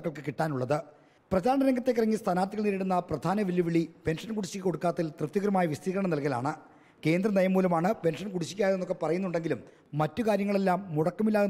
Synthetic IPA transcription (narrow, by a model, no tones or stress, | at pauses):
kːɐɭkɨkiʈːaːnuɭːɐðɨ | prɐt͡ɕaːɳɐɾeŋɡɐt̪ːe̞kːirɐŋːist̪ʰɐnaːrt̪ːiɣɐɭniːɾiɽunːɐprɐd̪ʱaːnɐʋilːiʋiɭipe̞nʂɐnkuɽit͡ɕːikiko̞ɽukːaːt̪ːilt̪rɨt̪ːjɐkɐɾɐmaːjɐʋist̪iːkɐɾɐɳɐmnɐlkɐla̰ːɳɨ | ke̞ːnd̪rɐnɐjɐmuːlumaːɳɨpe̞nʂɐnkuɽiɕːikʲːaːjðenːo̞kːepɐrɐjunːuɳɖe̞ŋɡilumː | ɐtːukaːɾjɐŋːɐɭe̞lːaːmːuɽɐkːɐmilːaːɣu